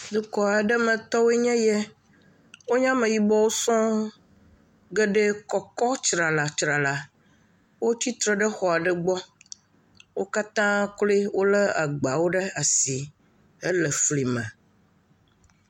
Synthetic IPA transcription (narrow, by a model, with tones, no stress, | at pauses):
d̪u˦kɔ˨a˨ɖɛ˦mɛ̃˨t̪ɔ˦we˦ɲɛ̃˦jɛ˦ | wo˦ɲã˦mẽ˨ji˨bɔ˦wo˦sɔ̃˦ | ɡɛ˦ɖɛ˦kɔ˨kɔ˦t͡ʃɾa˨la˨t͡ʃɾa˨la˨ | wo˦ti˦t̪ɾɛ˨ɖɛ˦xɔ˨a˨ɖɛ˦ɡ͡bɔ˦ | wo˦ka˦t̪ã˦kle˦wo˦lɛ˦a˨ɡ͡ba˨wo˦ɖɛ˦a˨si˨ | e˦lɛ˨fli˨mɛ̰̃˨